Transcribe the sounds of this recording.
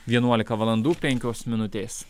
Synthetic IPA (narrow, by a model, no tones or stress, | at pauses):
ʋʲiɛnuɔlʲɪkɐʋɐlˠɐnd̪uːpʲɛŋʲkʲoːsmʲɪnʊt̪ʲeːs